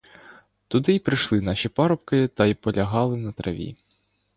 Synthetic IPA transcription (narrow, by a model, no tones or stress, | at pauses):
t̪ʊd̪ɪjpɾɪʃlˠɪnɑʃʲipɑɾɔpkɪt̪ɐjpɔlʲɐɦɑlˠɪnɐt̪ɾʔɐ̰ʋʲḭ